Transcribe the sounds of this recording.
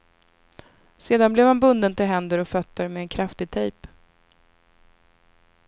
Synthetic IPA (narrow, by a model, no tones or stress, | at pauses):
seːd̪anblɛvhanbɵnd̪ənt̪ɪlɦɛnd̪əɾɔfœt̪ːəɾmɛːnkʰɾaft̪ɪt̪ʰɛjp